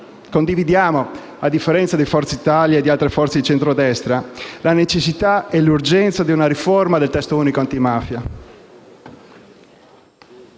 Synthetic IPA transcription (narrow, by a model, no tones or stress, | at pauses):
kond̪ivid̪jaːmo | ad̪ːifːeɾɛnt̪sad̪efɔrt̪seit̪aljaːd̪ialt̪ɾefɔrt̪sed̪it͡ʃent̪ɾod̪ɛst̪ɾalanet͡ʃesːit̪aɛlurd͡ʒɛnt̪sad̪iunaɾiformad̪elt̪ɛst̪ouːnikoant̪imafja